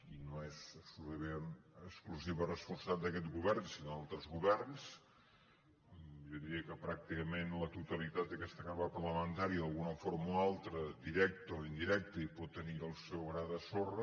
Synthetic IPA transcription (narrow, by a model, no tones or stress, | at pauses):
inoɛzəpsulut̪əmenəskluziβərəspunsad̪əkɛt̪ɡuβɛrnsinoðalˠt̪ɾəzɣuβɛrns | ʒɔðiɾiəkəpɾak̚t̪ikəmenlət̪ut̪əlit̪at̪̚əkɛst̪əkaɾβapəɾləmənt̪aɾiəðəlˠɣunəfoɾmoalˠt̪ɾəd̪iɾɛk̚t̪oind̪iɾɛk̚t̪əipɔt̪ːəniəlˠsɛwɣɾaðəsorə